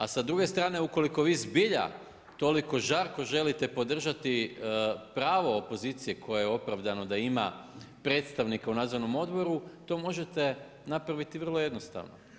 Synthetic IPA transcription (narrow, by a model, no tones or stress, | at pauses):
asad̪ɾuɡe̞st̪ɾaːne̞uko̞liko̞ʋiːzbiʎa̰ | t̪o̞liko̞ʒaɾko̞ʒe̞lit̪epo̞d̪r̩ʒat̪i | pɾaːʋo̞opo̞ziːt̪sijekʰo̞jejeo̞pɾaʋd̪ano̞d̪aimapɾe̞ːt̪st̪aʋnikaunaːd̪zoɾno̞mo̞d̪bo̞ɾut̪o̞ːmo̞ʒet̪e | napɾaʋit̪iʋr̩lˠo̞je̞d̪nost̪a̰ʋno̰